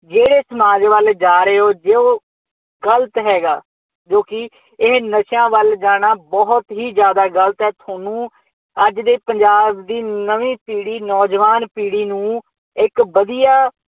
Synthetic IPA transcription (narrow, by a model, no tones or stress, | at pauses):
d͡ʒeːɽeːsəmaːd͡ʒʋəld͡ʒaːɾeːoːd͡ʒeːoː | ɡələt̪ɦɛːɡaː | d͡ʒoːkɪ | ɪɦnəʃãːʋəld͡ʒaːɽ̃aːbɔɦʊt̪ɦiːzjaːd̪aːɡələt̪ɦɛːt̪ʰaːnũː | əd͡ʒd̪eːpəɲd͡ʒaːbd̪iːnəʋĩːpiːɽiːnɔːd͡ʒʋaːnpiːɽiːnũː | ɪkbəd̪ijaː